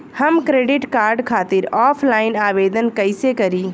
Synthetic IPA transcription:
hɐmkɾeːɖɪʈkaːɾɖkʰaːt̪ɪɾɔːpʰlaːɪnaːʋeːd̪ənkɐɪsekɐɾiː

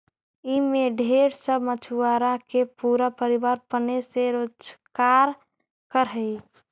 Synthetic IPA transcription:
imẽɖʱeɽsəbʱmət͡ʃʰuaːɾãkepuɾapəɾibaːɾpəneseɾoːd͡ʒkaːɾ | kəɾɦəi

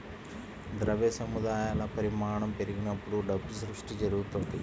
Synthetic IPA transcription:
d̪ɾɐʋeːsɐmud̪aːjaːlɐpɐɾimaːɾɳɐmpeɾiɡinɐpːuɽuɖɐbːusɾuʂʈid͡ʒɐɾuɡut̪ond̪i

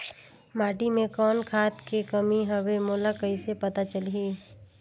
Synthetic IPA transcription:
maːʈimẽkɔːnkʰaːt̪kekɐmiɦɐwemoːlakɐisepɐt̪at͡ʃəlɦiː

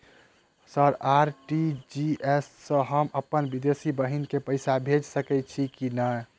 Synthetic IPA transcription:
səɾaɾʈid͡ʒiesːə̃ɦəməpənbid̪esibəɦinkepəɪsabʱed͡ʒsəkɛt͡ʃʰikinə

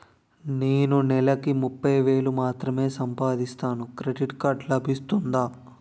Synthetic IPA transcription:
neːnunɛlɐkimupːɐjʋe̞ːlumaːt̪ɾɐme̞ːsɐmpaːd̪ist̪aːnukɾe̞ɖiʈkaːɾɖlɐbʱist̪und̪aː

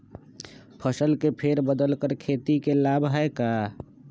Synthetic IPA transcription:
pʰəsəlkepʰeːɾbəd̪əlkəɾkʰeːt̪ikelaːbʱɦəeka

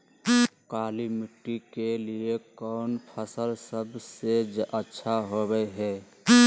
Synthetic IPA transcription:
kaːlimɪʈːikeliekɔʊnpʰəsəlsəbsed͡ʒətːʃʰaɦobəeɦɛː

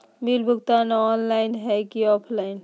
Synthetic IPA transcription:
milbʱuɡ̚t̪aneɔnlaɪnɦɛjkiɔpʰlaɪn

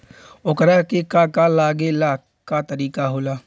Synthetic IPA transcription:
okəɾakekakalaːɡela | kat̪əɾiːkaɦoːlaː

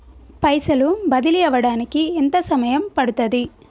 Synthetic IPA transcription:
pɐjsɐlubɐd̪iliɐʋɐɽaːnikient̪ɐsɐmɐjɐmpɐɽut̪ɐd̪i

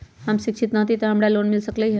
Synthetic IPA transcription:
amɕikʂit̪nat̪it̪əɦəmɽjaloːnmilsəkleɦe

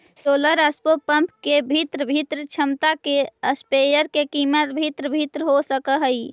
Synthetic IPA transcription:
soləɾəspopəmpkebʱit̪ɾəbʱit̪ɾət͡ʃʰəmt̪akeəspejəɾkekimət̪bʱit̪ɾəbʱit̪ɾəɦosəkəɦəj

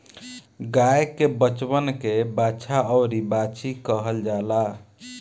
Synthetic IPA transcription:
ɡajkebət͡ʃbənkebat͡ʃʰaɔʊɾibat͡ʃikəɦəld͡ʒala

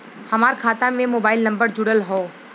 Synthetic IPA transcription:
hɐmaːɾkʰaːt̪ãmẽmoːbaːɪlnɐ̃mbəɾd͡ʒʊɽəlɦoː

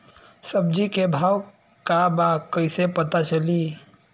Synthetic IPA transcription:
səb̚d͡ʒikebʱaːw | kabakəɪsepət̪at͡ʃʰəli

